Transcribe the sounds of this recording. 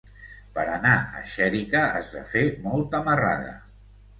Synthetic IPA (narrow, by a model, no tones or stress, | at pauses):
pəɾənaə̰ʃɛɾikəəzðəfemɔlˠt̪əməra̰ðə̰